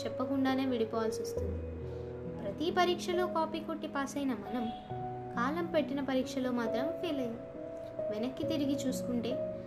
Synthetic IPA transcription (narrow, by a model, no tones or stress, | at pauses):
t͡ʃɛpːɐkuɳɖaːneːʋiɽipɔːʋaːlsost̪und̪i | pɾɐt̪ipɐɾiːkʂɐlo̞ːkaːpiːkoʈːipaːsɐjnɐmɐnɐm | kaːlɐmpeʈːinɐpɐɾiːkʂɐlo̞ːmaːt̪ɾɐmfeːlɐjaː | ʋenɐkːit̪iɾiɡit͡ʃuːsu̥kuɳʈe̞ː